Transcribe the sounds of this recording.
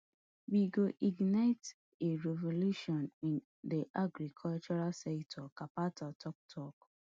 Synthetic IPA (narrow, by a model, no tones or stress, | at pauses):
wiɡoʔiɡnaɪt | eɹɛvoluʃɔ̃nĩn | diʔaɡɾikʰɔlt͡ʃɔɹasɛktʰɔkapatʰɔtɔk̚tʰɔk